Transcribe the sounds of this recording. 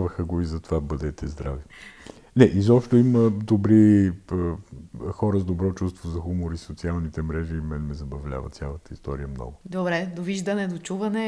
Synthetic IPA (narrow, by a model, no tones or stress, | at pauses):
vəxəɡoizɐt̪ovabəd̪ɛt̪ɛzd̪ɾavi | nɛʔizɔpʃt̪oiməd̪obɾiəxɔɾəzd̪obɾɔt͡ʃust̪vozɐxumoɾisot̪sialˠnit̪ɛmɾɛʒiːmɛnmɛzɐbɐvlʲa̰və̰t̪sʲjalˠət̪əist̪ɔɾijəmnɔ̰ɡʊd̪obɾɛd̪oviʒd̪ɐnɛd̪ot͡ʃuvɐnɛ